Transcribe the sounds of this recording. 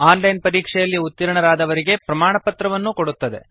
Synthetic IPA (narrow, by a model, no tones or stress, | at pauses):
aːnlɐjnpɐɾiːkʂɛjɐlːiut̪ːiɾɐɳɐɾaːd̪ɐʋɐɾiɡe̞pɾɐmaːɳɐpɐt̪ɾɐʋɐnːuko̞ɽut̪ːɐd̪e̞̰